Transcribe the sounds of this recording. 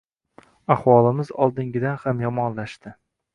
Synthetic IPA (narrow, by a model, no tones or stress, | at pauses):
ahwɒlˠɪmɪzɒlˠd̪ɪŋɡʲɪd̪anhamjɒmɒnlaʃt̪ɪ